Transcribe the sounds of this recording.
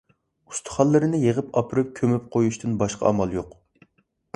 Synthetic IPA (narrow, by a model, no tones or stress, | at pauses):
u̥st̪ʰʊ̥χɑlˠːɨɾɨnɨjeʁəpɑpʰɨɾɨp̚kʲʰømyp̚qʰojuʃt̪ɨnbɑʃqʰɑ̰ɑ̰mɑlˠjoq